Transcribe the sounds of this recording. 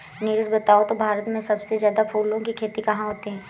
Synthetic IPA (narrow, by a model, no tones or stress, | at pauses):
niɾʊsbɐt̪aːot̪obʱaːɾət̪mẽsɐbsezjaːd̪apʰuːlõkikʰeːt̪ikɐɦãɦoːt̪iɦɛ̃ː